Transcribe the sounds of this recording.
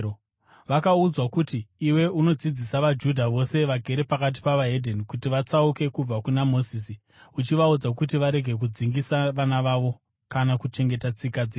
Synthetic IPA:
ʋakaud͡zwakutiːwe̞ʔuno̞d͡zid͡zisaʋad͡ʒudʱaʋo̞se̞ʋaɡʱe̞ɾepakat̬i̥paʋaɦe̞dʱenikutiʋat͡sauke̞kub͡vakunamo̞sisi | ut͡ʃiʋaud͡zakut̬iʋaɾe̞ɡʱe̞k̬ud͡ziŋɡisaʋanaʋaʋo̞ | kanakut͡ʃe̞ŋɡe̞tat͡sikad͡ze

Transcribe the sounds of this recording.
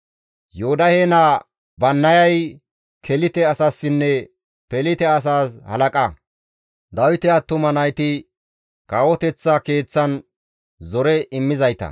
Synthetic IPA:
johʊd̪ɐheːna | bɐnːɐjɐj | kʰɛlɪt̪ɛɐsasːɪnːɛ | pɛlɪt̪ɛɐs̬aːshɐ̰lɐkʼɐ | d̪ɐwɪt̪ɛat̪ːʊmɐnɐjt̪ɪ | kʼawɔt̪ɛt͡sːɐke̞ːt͡sːɐn | zɔɾɛʔɪmːɪzɐjt̪ɐ̰

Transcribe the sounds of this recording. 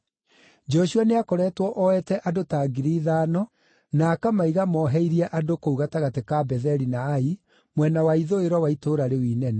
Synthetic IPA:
d͡ʒɔʃuaneakɔɾɛtwɔʔɔɛtɛʔadotaːɡiɾiːðaːnɔ | naːkamaiɣamɔɦɛiɾiɛʔadokouɣataɣatekabɛðɛɾinaːi | mwɛnawaiðoeɾwɔwaitoːɾaɾewiːnɛnɛ

